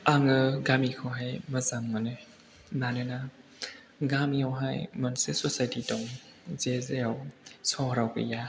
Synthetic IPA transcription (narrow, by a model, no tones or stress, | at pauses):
aŋɯɡamikʰɔɦajmɐzamŋanɯ | nanɯna | ɡamiawɦa̰jmɔnsesɔsajtitɔŋ | zezejawsɔhɾawkɯ̰ja